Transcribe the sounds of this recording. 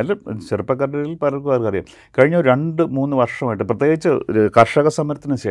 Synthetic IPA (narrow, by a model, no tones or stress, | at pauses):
ɐlɕerupːɐkːɐrɖɐilpɐɾɐkuʋaːrkɐrjɐ̰m | kɐɻiɲːɐoɾuɾe̞ɳɖɨmuːnːɨʋɐrʂɐmaːjʈːɨprɐt̪̬jeːɡit͡ɕːɨkɐrʂɐɣɐsɐmːɐɾɐt̪ːinɨɕe